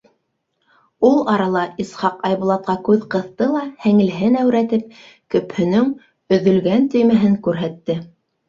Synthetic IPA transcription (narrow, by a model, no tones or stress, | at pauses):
ulˠɑɾɑlˠɑisχɑqɑjβŭlˠɑt̪̚qɑkʉðqɤ̆θt̪ɤlˠɑhæŋɘ̆lɦɘnæwɾæt̪ɘp̚ | kɵ̆phɵ̆nɵŋ | ɵ̆ðɵ̆lɡænt̪ɵ̆jmæɦɘŋkʉɾɦæt̪ːɘ